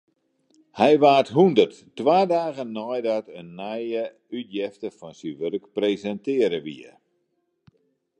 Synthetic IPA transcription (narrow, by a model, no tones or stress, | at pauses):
hɛjʋaːrtɦundərtː | waːdaːɣənːɔjdatənːɛjə | ytjɛftəfɔnsiʋørkprezɛntɪəɾəʋḭə̰